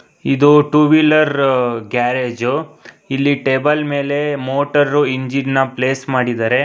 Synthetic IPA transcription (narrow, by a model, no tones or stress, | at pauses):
id̪uʈuʋilɐɾɡaːɾeːd͡ʒu | ilːiʈeːbɐlme̞ːle̞moːʈɐɾɾuiɲd͡ʒinnɐpleːsmaːɽid̪aːɾe̞